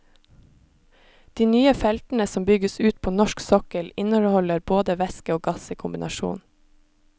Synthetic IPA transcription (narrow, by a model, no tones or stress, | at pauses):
d̪̥iːnyːəfɛlt̪n̩əsɔmbʏɡəsʉːt̪̚pʰoːnɔʃksɔkəlɪnəɾhɔləɾboːd̪əʋɛskəoːɡɑsiːkʰʊmbɪnʔɑʃṵːn